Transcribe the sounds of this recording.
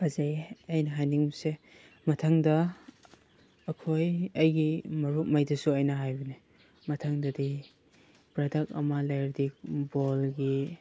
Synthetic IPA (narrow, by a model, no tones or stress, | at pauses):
bɐzejɐjnɐɦajniŋse | mɐtʰɐŋdɐ | kʰojɐjɡimɐɾuk̚mɐjdɐsuɐjnɐɦajbine | mɐtʰɐŋdɐdi | pɾɐdɐk̚ɐ̰mɐlajɾdik̚bolɡi